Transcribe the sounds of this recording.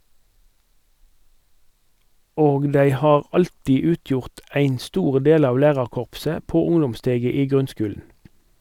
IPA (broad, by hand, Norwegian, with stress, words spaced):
ˈoːɡ ˈdæɪ ˈhɑːʁ ˈɑltiː ˈʉːˌtjʊʁt ˈæɪn ˈstuːʁ ˈdeːl ˈɑːʋ ˈlæːʁɑʁˌkɔʁpsə ˈpoː ˈʊŋdɔmˌsteːɡə ˈiː ˈɡʁʉnˌskʉːln̩